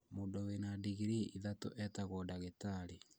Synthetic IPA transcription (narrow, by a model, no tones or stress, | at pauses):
mondowenadiɣiɾiiðato̰ʔɛtaɣwɔdaɣetaɾi